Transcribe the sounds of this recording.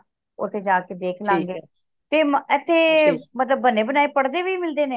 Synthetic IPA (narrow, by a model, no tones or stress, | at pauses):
ʊt̪ʰːeːd͡ʒaːkeːd̪eːkʰlãːŋɡeː | t̪eːmɛːt̪ʰːeːmət̪ləbːənːeːbənaːepəɽd̪eːʋiːmɪld̪eːneː